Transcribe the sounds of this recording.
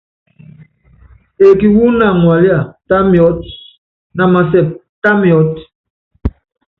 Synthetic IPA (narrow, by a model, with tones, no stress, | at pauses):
e˨ki˨wu˦na˨ŋwa˨li˦a˨ta˦mi˨ɔ˨˦t̚ | na˨ma˨s̬ɛ˨p̚ | ta˦mi˨ɔ˨˦t